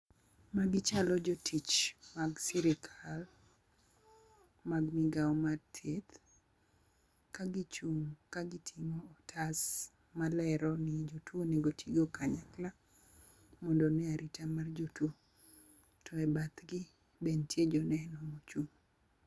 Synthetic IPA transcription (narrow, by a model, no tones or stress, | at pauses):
maɡɪt͡ʃalɔd͡ʒɔtʰit͡ʃmaɡsiɾɪkʰal | maɡmɪɡaɔmatʰet̪ | kaɡit͡ʃuŋkaɡɪtʰimoːtʰas | malɛɾɔnɪd͡ʒotwonɛɡotʰiɡokaɲakla | mɔndɔnɪaɾʔitʰamard͡ʒotwo | tʰɔɛbat̪ɡɪ | bentjed͡ʒɔnɛnɔmot͡ʃuŋ